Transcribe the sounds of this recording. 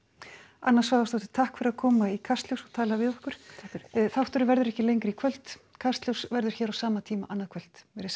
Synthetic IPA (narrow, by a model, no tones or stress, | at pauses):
a̰nːasvaːwðast̪ɔht̪ɪ̥t̪ʰahkfɪɾɪɾaðkʰɔːmaikʰar̥st̪ljowsɔt̪ʰaːlavɪðɔhkʏɾ̥θawht̪ʏɾʏvɛɾðʏɾɛhcɪlejŋkɾikʰvœl̥t̪kʰar̥st̪ljuwsvɛɾðʏɾ̥çɛːɾawsaːmat̪ʰiːma̰ʔanːaðkʰvœl̥t̪vɛɾs